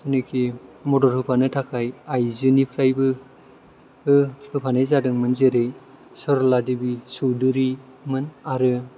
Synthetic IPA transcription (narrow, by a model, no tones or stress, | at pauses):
sɯnɯkʰimɔdɔɾhɯpʰanɯtʰakʰajajzɯnipʰɾajbɯ | ɯhɯpʰanɯjzadɯŋmɯnzeɾej | sɔɾɔladɯbisuwdɯɾi | mɯnaɾɯ